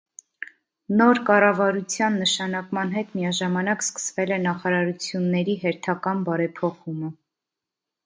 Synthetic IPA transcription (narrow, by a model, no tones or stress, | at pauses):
nɔɾkɑrɑvɑɾut͡sʰjɑnːəʃɑnɑkmɑnɦɛt̪mijɑʒɑmɑnɑkskə̥svɛlɛnɑχɑɾɑɾut͡sʰjunːɛɾiɦɛɾt̪ʰɑkɑnbɑɾɛpʰɔχumə